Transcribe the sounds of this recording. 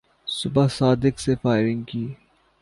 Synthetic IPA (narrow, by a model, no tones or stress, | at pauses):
sʊbasaːd̪ɪksefaːɪɾɪ̃ŋɡkiː